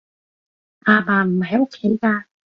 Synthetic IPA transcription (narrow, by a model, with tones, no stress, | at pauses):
ʔaː˧baː˨˩m̩˨˩ha˨˩˦jʔo˧kʰe˨˥˦jkaː˧